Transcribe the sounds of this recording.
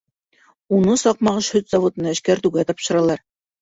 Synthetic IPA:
unɤsɑq̚mɑʁɤʃhɵt̪z̥ɑvot̪ɤ̆nɑæʃkæɾt̪ʉɡæt̪ɒpʃɤ̆ɾɑlˠɑɾ

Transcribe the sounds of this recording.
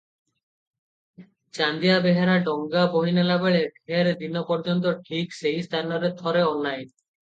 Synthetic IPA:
t͡ɕand̪ijabeɦeɾaɖɔŋɡaboɦinelabeɭebʱeɾd̪inopɔɾd͡ʑont̪oʈʰiksejst̪ʰanoɾet̪ʰɔɾeɔnːaj

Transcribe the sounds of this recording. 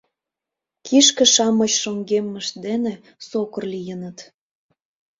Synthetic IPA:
kʰiʃkĕʃɑmɤt͡ɕʃoŋɡemːəʃ̚d̪ene | sokə̆rlijənət̪

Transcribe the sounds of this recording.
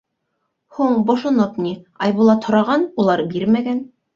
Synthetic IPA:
huɴbŏʃŏnopniɑjβulˠɑt̪ʰŏɾɑʁɑnulˠɑɾbiɾmæɡæn

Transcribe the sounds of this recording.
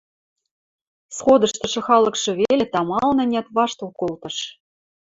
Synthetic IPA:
sχod̪ɤ̆ʃt̪ɤ̆ʃɤ̆xɑlɤ̆kʃɤ̆βelʲet̪ɑmɑlnɘ̆nʲæt̪βɑʃt̪olkolt̪ɤ̆ʃ

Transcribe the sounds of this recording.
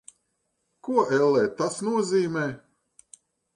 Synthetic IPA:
kuɔʔɛlˠːɛːt̪asnuɔziːmɛː

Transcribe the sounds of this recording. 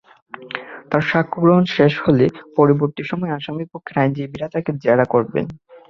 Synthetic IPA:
t̪aɾʃakʰːoɡɾoɦonʃeʃholepɔɾiboɾt̪iʃɔmɔeaʃamikpokʰːeɾajnd͡ʑibiɾat̪aked͡ʑeɾakoɾbḛn

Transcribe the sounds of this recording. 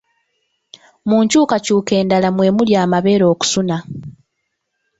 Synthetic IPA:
muːɲcuːkacuːke̞ːndalamwe̞ːmuljaːmaβe̞ːɾo̞ːku̥suna

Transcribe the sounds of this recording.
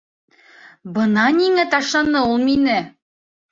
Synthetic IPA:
bɤnɑniŋæt̪ɑʃlˠɑnɤulˠminɘ

